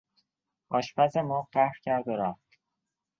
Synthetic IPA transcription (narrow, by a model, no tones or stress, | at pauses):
ɒːʃpʰæsemoːɢæhɾcʰæɾd̪oɾæft̪